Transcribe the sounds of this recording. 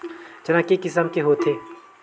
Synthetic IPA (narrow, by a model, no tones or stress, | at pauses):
d͡ʒɐnãkikɪs̬əmkeɦot̪ʰeː